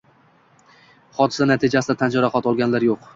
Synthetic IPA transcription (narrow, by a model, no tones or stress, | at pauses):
χɒt̪ʰɪ̥sanat̪ʰɪd͡ʒasɪd̪at̪ʰand͡ʒɒɾaχɒt̪ɒlˠɡʲanlaɾjoq